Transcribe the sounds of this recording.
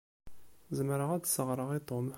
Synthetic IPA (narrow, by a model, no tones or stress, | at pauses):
zəmɾəʁæd̪səʁɾˤəʁit̪ˤom